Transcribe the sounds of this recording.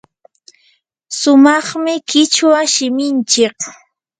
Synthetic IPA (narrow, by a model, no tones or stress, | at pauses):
sʊmɑχmɪkɪt͡ʃwaʃɪmɪnt͡ʃɪk